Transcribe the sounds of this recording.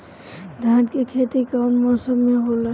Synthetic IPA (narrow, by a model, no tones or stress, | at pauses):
d̪ʱãːʈkekʰet̪ikaʊnmɔːsəmːeɦola